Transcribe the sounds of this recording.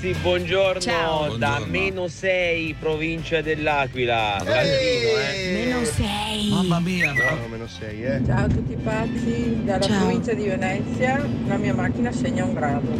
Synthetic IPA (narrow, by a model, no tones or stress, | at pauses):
sibwɔnd͡ʒornt͡ʃod̪amenosɛjpɾovint͡ʃad̪elːaːkwila̰ | menosɛj | t͡ʃaːot̪ut̪ːipasːid̪alːapɾovint͡ʃad̪ivenɛt̪sjalamiːamak̟ːinaseɲːauŋɡɾaːd̪o